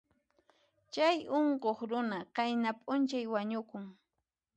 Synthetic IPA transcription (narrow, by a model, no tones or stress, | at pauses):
t͡ʃajoɴqoχɾʊnaqajnapʼʊnt͡ʃajwaɲʊkʊŋ